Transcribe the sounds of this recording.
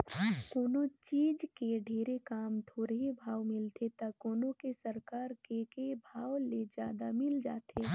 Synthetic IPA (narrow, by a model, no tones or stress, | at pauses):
koːnot͡ʃiːd͡ʒkeɖʱeːɾekaːmt̪ʰoːɾeɦibʱaːʋmɪlt̪et̪ɐkoːnõkesɐɾkaːɾkekebʱaːʋled͡ʒjaːd̪a̰mɪld͡ʒaːt̪ʰeː